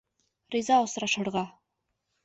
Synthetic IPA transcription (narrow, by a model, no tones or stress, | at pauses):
rʲizɑosɾɑʃɤ̆ɾʁɑ